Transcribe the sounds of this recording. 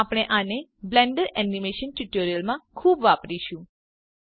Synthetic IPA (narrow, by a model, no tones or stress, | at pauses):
apɽ̃eʔaneblɛ̃ɳɖəɾɛnimeʃənʈuʈoɾijəlmãkʰuːbʋapɾiʃũ